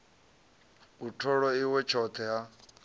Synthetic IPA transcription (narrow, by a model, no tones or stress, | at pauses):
utʰɔɺɔiwɛt͡ʃʰɔt̪ʰɛɦa